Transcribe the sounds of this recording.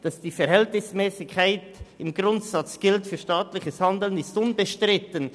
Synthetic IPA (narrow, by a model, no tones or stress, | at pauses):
d̥ɑsd̥iːfɛɐɾhɛltnɪsmɛːsɪkʰːaɪtɪmɡʁʊntsɑt͡sɡ̥ɪltfyːɐʃtaːtlɪçəshandl̩ənɪstʊnbəʃtʁɪtən